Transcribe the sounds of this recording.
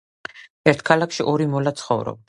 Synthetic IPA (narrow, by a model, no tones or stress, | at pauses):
ɛɾt̪ʰkʰalakʰʃiʔɔɾimɔlat̪sʰχɔvɾɔ̰b̚d̪